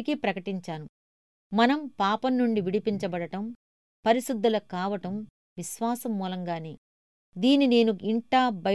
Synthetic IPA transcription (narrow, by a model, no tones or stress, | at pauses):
kipɾɐkɐʈiɲt͡ʃaːnu | mɐnɐmpaːpɐnːuɳɖiʋiɽipiɲt͡ʃɐbɐɽɐʈɐm | pɐɾiʃid̪ːɐlɐkaːʋɐʈɐm | ʋiʃʋaːsɐmːuːlɐŋɡaːneː | d̪iːnine̞ːnuʔiɳʈaːbʱɐ